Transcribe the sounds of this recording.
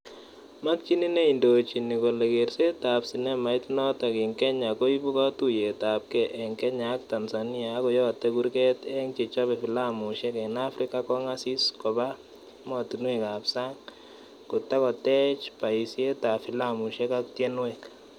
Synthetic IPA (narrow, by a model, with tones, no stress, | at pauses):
ma˦k̚t͡ʃi˦ni˦ne˦i˨ndo˨t͡ʃi˨ni˨ko˨lɛ˨ɡe˨ɾse˦ta˨psi˨nɛ˦ma˨i˦tnɔ˦ta˨kɪ˨ŋkɛ˦ɲa˨ko˦i˦bu˦ka˦tu˦je˨ta˨p̚kɛ˨ʔɛ˨ŋkɛ˦ɲa˨˦k̚ta˨nsa˨ni˦a˨˦kɔ˨jɔ˦˨tːɛ˦ɡu˦ɾkɛ˦t̪ɛ˦ŋt͡ʃi˨t͡ʃɔ˦bɛ˨fi˨la˦mu˨ʃɛ˦kɛ˨na˦fɾi˦ka˦kɔ˦ŋa˦si˦skɔ˨ba˦ | mɔ˨tu˨nwɛ˨ka˨psa˦ŋ | kʊ˨ta˦kɔ˨tɛ˦t͡ʃpa˨i˨sje˦ta˨fi˨la˦mu˨ʃe˦ka˦k̚tje˦nwɛ˦k